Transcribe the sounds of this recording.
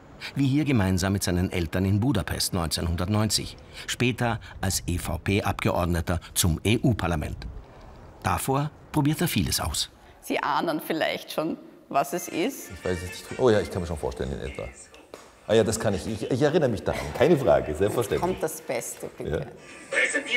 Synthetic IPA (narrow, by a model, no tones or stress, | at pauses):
viːhiːɐɡəmaɪnzaːmːɪtz̥aɪnənʔɛ̰ltɐnɪnbuːdapʰɛ̰stnɔʏnt͡senhʊndɐtnɔʏnt͡sɪ̰ç | ʃpɛːtɐʔalsʔefaʊpʰeːʔapɡ̥əʔɔɐdnətɐt͡sʊmeːʔuːpʰaɐlamɛ̰nt | d̥afoːɐpʁ̥obiːɐteːɐfiːləsʔa̰ʊs | z̥iːʔaːnənfɪla̰ɪçtʃoːn | vasɛsɪstɪçv̥aɪsɛsnɪçtfʔoːjaːɪçkʰanmiːʃoːnfo̰ːɐtɛlənɪ̰nʔɛ̰stva̰ | ʔaːjaːdaskʰanɪçɪçɪçɛɐʁɪnəʁəmɪçd̥aʁa̰nkʰaɪnəfʁa̰ːɡəzɛlsfɛɐʃtɛntɔmtd̥asb̥ɛstə̥ja̰ː